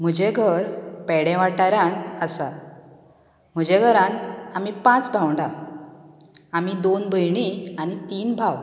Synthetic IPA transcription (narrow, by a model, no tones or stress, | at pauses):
m̤əd͡ʑẽɡʱəɾpɛɽɛ̃ʋaʈaɾjãnəsa | m̤əd͡ʑɛ̃ɡʱəɾãnamipãt͡sbʱawɳɖa | amid̪onbʱəjɳianit̪iːnbʱaw